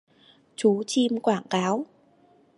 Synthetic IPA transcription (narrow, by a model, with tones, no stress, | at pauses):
t͡ɕu˨˦t͡ɕi˧mkwaː˧˩ŋkaː˨˦w